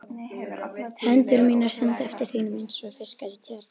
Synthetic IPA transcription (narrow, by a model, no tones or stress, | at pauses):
hɛnt̪ʏɾmiːnaɾ̥sɛnt̪ɛft̪ɪɾ̥θiːnɪmɪnsɔɣfɪskaðɪt̪ʰɪvɛɾt̪